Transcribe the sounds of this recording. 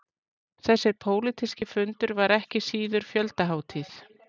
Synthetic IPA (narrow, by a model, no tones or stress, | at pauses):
θɛsːɪɾpʰoːwlɪt̪ʰiscɪfʏnt̪ʏɾvaɾɛhcɪsiːðʏɾ̥fjœlt̪aɦaːwt̪ʰɪθ